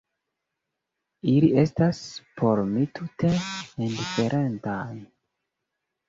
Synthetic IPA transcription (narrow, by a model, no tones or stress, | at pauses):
ilie̞staspʰo̞ɾmitʰute̞indife̞ɾʔe̞ntaj